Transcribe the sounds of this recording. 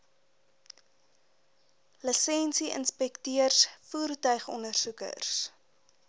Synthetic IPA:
ləsɛnsiʔə̰nspɛktiərsfuːrtœɥχɔ̰ndərsukə̰rs

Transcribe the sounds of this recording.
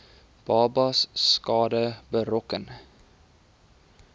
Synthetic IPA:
b̥ɑːbɑsːkɑːdəbəɾɔkən

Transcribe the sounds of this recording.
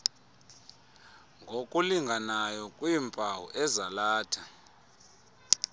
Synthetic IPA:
ŋɡʱokʼuliŋɡʱanajɔkʼwimpʼawṵʔɛzalaːtʰa

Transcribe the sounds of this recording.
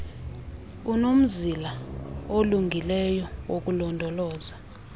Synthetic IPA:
unom̩zilaoluŋɡʱilɛjɔwok̬ʼulɔndʱɔlɔːza

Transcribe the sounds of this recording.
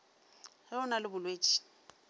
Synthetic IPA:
hɪʊnalɪbʊlweːt͡ʃʼi̥

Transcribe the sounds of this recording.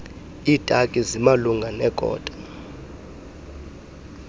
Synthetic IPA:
iːtʼakʼizimaluŋɡʱanɛkʼɔ̰ːtʼḁ

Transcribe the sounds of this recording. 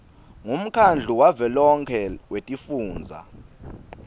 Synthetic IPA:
ŋum̩kʰand͡ɮʱuwavɛlɔŋkʰɛwetʼifuːnd͡zʱa̰

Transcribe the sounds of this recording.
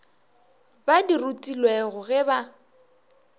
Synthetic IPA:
badirutʼilweɣʊɣɛba

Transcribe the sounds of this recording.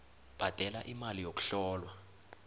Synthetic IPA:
b̥ʱad̥ʱɛlaʔimalijok̬u̥ɬɔːlwa

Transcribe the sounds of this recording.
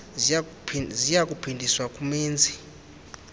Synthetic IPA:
zijakʼupʰindʱiswakʼumiːnd͡zʱi

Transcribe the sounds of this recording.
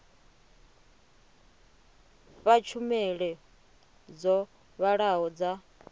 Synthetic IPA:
ɸat͡ʃʰumɛɺɛ | d͡zɔ | βaɺaɦɔd͡za

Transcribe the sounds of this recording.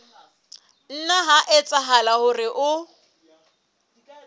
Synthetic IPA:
n̩naɦaʔɛt͡sʼaɦalahʊrɪʔʊ

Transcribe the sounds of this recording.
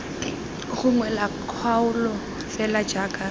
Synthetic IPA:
χʊŋwɛlakʰwaʊlɔ | fɛlad͡ʒakʼa

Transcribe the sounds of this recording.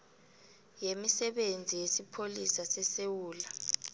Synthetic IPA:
jemisɛɓend͡zʱijesipʰolisasɛsewuːla

